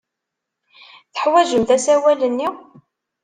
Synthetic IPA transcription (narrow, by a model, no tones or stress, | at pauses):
θə̥ħwæʒəmθæsæwælənːi